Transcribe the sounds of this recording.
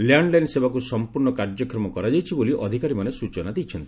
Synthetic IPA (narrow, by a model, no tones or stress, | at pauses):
ljaɳɖlajnsebakusɔmpuɾɳɔkaɾd͡ʒɔkɾɔmɔkɔɾad͡ʒajt͡ʃʰiboliʔɔd̪ʱikaɾimanesut͡ʃɔnad̪ejt͡ʃʰɔnt̪i̥